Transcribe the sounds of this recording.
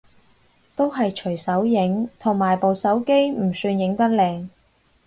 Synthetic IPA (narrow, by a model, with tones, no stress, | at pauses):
t̪o˥wɦɐ˨jt͡ʃʰɵ˨˩ɥsɐ˨˥wjɪ˨˥ŋt̪ʰʊ˨˩ŋmaː˨˩jpo˨wsɐ˨˥wke˥jm̩˨˩syː˧njɪ˨˥ŋt̪ɐ˥t̚lɛː˧ŋ